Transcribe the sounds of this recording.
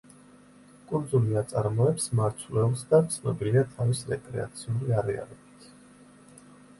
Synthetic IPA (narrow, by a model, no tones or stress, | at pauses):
kʼuɾd̪zuliat̪sʼaɾmɔɛpsmaɾt̪ʰlɛlˠsd̪at̪sʰnɔbiliat̪ʰavisɾɛkʼɾɛ̰a̰t̪sʰiuliaɾɛa̰lɔbit̪ʰ